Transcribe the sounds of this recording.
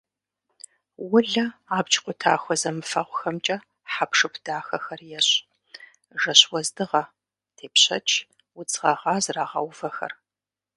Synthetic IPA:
wʊɮɐaːbt͡ʃʰʼqʷʼʊtʰa̰ːxʷɔzɐmɨfɐʁʷʊxɐmt͡ʃʼɐ | ħapʰʂɨpʰd̥aːxɐxɐrjɛɕ | ʒɐɕwɔzdɨʁɐ | tʰeːpɕɐ̰t͡ʃʰ | wʊt͡sʼʁɐʁɑːzraːʁɐ̰wvɐxɐ̰r

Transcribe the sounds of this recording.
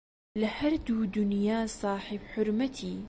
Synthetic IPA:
lɪhaɾd̪uːd̪ʊnjaːsˤɑːħɪbħʊɾmat̪ʰiː

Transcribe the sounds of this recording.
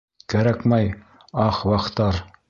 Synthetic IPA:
kæɾækmæj | ɑχwɑqt̪ɑɾ

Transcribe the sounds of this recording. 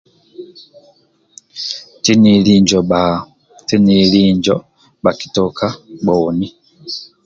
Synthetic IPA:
tiniliːɲd͡ʒoa | tiniliːɲɟo | baki̥tokaboːni

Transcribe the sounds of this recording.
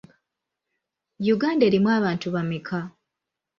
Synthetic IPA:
juɡaːnde̞ːɾimwaːβaːntuβamikʰa

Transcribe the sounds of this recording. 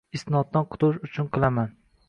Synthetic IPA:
ɪst̪ɪnɒt̪̚ːanqʰʊ̥t̪ʊʃʊt͡ʃʰʊnqʰɨlˠaman

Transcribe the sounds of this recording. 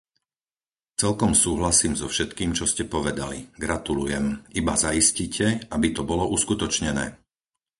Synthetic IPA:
t͡sɛlkɔmsuːɦlasiːmzɔfʃɛt̪kiːmt͡ʃɔscɛpɔʋɛd̪a̰lḭɡɾat̪ulujɛmibazaiscicʰɛʔabit̪ɔbɔlɔʔuskut̪ɔt͡ʃɲɛnɛ̰ː

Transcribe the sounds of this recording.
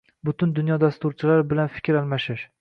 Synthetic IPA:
bʊt̪ʰɪnd̪ʊnjɒd̪ast̪ʊɾt͡ʃʰɪlaɾbɪlanfɪ̥kʲʰɾalˠmaʃɪʃ

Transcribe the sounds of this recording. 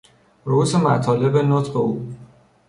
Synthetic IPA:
ɾousemæ̰t̪ʰɒːle̞benot̪beuː

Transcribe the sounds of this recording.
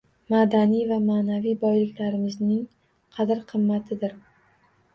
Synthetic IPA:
mad̪anijvamaːnavijbɒjlɪkʲlaɾɪmɪznɪŋ | qʰɑd̪ɪɾqʰɨmːat̪ʰɪd̪ɪɾ

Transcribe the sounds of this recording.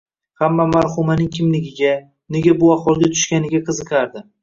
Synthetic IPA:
hamːamaɾhʊmanɪŋkʲʰɪmlɪɡʲɪɡʲa | neɡʲabʊaχwɒlˠɡʲat̪ʰʊ̥ʃkʲanɪɡʲaqʰɨzɨqʰaɾd̪ɪ

